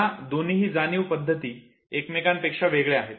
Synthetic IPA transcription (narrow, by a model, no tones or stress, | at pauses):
ad̪oniɦiːd͡zaniːʋpəd̪ʱːət̪iː | ekmekanpekʂaʋeɡɭeaɦet̪